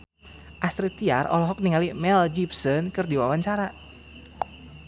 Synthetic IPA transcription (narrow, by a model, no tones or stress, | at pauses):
ʔast̪ɾit̪ia̰rʔɔ̰lɔɦɔk̚niŋalimɛld͡ʒipsənkɨrdiwawaɲt͡ʃaɾa